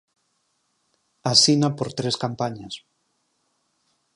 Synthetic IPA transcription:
asinapoɾt̪ɾeskampaɲas

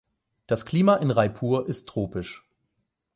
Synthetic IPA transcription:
d̥askl̥iːmaʔɪnʁaɪpʰuːɐʔɪstʰːʁ̥oːpɪʃ

